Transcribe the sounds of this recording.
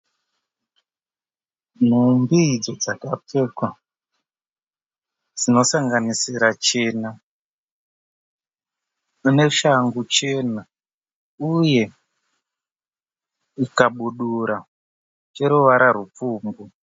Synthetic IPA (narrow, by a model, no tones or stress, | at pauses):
n̤umbid͡zo̞d͡zakape̞kwa | d͡zino̞saŋɡanisiɾat͡ʃe̞ːna | ne̞ʃaŋɡut͡ʃe̞na | uje̞ | ikaɓuɗuɾa | t͡ʃe̞ɾuʋaɾaɾup͡fuːmbu